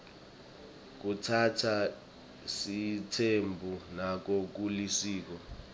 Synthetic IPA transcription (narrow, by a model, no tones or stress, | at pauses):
k̬utʰatʰa | sitʰembʱunak̬ok̬ulisiːk̬ɔ